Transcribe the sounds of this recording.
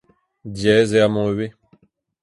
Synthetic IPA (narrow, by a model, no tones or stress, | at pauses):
djɛːzeamɔ̃ɥe